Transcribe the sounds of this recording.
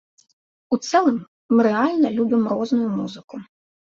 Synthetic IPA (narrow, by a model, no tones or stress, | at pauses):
ut̪sɛlˠɨmː | ɨɾɛalʲnɐlʲubʲimrɔznʊjumuzɨku